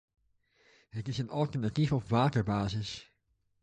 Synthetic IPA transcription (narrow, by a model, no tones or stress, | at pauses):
ɦətɪsənɑlˠtəɹnatifɔpʋaːtəɹbaːzɪs